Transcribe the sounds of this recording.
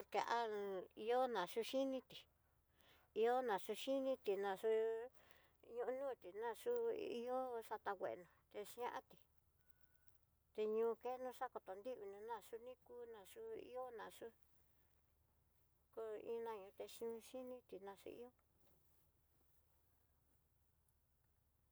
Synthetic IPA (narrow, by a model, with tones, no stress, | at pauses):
ke˧ʔa˦˧i˧o˦nã˨ʂu˧˦ʃi˦nĩ˦t̪i˨ | i˧o˦nã˨ʂu˧ʃi˦nĩ˦t̪i˨nã˧ʂu˦ | ɲũ˧nũː˦˨t̪i˨nã˧ʂu˦ḭ˦o˦ʂa˧t̪a˧wʷḛ˨ʔnũ˨t̪e˧ʃã˦˧ʔa̰˦t̪i˨ | t̪e˧ɲũː˧ke˦nũ˧˦ʂa˦ko˧t̪o˨nd̪i˦˧u˧nũ˧nã˧ʂu˧nĩ˦ku˦nã˧ʂu˦ḭ˦o˦nã˧˨ʂu˦ | ko˧ḭ̃˦nã˧ɲũ˧t̪e˧ʃi˧ũ˧ʃi˦nĩ˦t̪i˨nã˧sṵ˧ḭ˦o˦